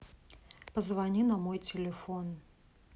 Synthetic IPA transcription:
pəzvɐnʲinɐmojt͡sʲɪlʲɪfon

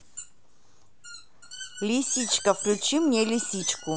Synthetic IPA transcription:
lʲisʲit͡ʃkəfklʲut͡ɕimnʲɛlʲisʲit͡ɕku

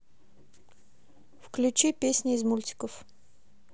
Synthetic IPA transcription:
fklʲʉt͡ɕipʲesʲnʲɪɪzmulʲtʲɪ̥kəf

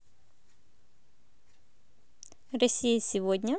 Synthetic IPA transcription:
rɐsʲijəsʲɪvodʲnʲə

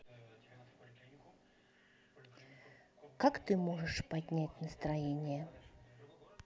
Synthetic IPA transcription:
kakt̪ɨmoʐɨʂpɐdʲnʲætʲnəst̪ɾɐjenʲɪjə

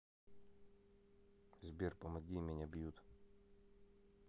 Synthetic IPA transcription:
zʲbʲirpɔmɐd̪ʲimʲɛnʲabjut̪

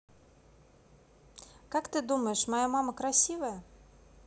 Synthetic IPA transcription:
kakt̪ɨd̪uməjɪʂmajamaməkɾɐsʲivəjə

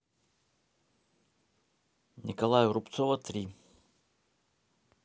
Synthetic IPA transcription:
nʲɪkɐlˠajʊɾʊpt̪sɔvɐt̪ɾʲi

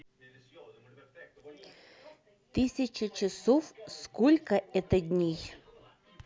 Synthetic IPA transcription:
t̪ɨsʲɐt͡ʃɐt͡ʃɪsɔfskɔlʲkɐɛt̪ɐd̪ʲnʲej

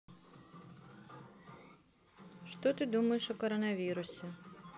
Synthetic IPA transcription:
ʂt̪ɔt̪ɨd̪umɐjeʂɔkɔɾɔnɐvʲiɾʊsʲɪ

